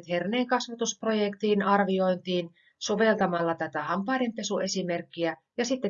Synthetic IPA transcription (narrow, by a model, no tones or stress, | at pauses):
t̪herneːŋkɑsʋɑt̪uspro̞jekt̪iːnɑrʋio̞int̪iːn | so̞ʋelt̪ɑmɑlːɑt̪æt̪æhɑmpɑidempe̞sue̞simerkːiæ | jɑsit̪ːe